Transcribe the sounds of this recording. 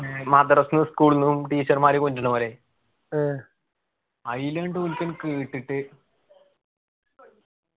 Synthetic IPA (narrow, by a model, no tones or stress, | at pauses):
mɐd̪ɐɾɐsnɨskuːɭnːumʈiːt͡ɕːɐrmaːɾikonduɳɐmɐɾe | ɐjleɳɖɨunkːɐnkiːʈːiʈːɨ